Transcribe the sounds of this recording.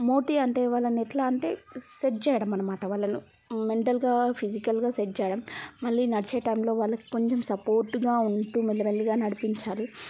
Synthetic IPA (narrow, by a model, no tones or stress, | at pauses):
moːʈiɐɳʈeːʋaːɭːɐnɛʈlaːɐɳʈe̞̰ːset͡ʃɛːjɐɽɐmːɐnɐmaːʈɐʋaːɭːɐnu | me̞ɳʈɐlɡaːpʰid͡ʒikɐlɡaːsed͡ʒt͡ʃɛːjɐɽɐmmɐɭːinɐɽit͡ʃeːʈɐjmlo̞ːʋaːɭːɐki̥ko̞ɲt͡ʃemsɐpoːɾʈːuɡaːuɳʈuːmɐlːɐɐɭːiɡaːnɐɽipiɲt͡ʃaːli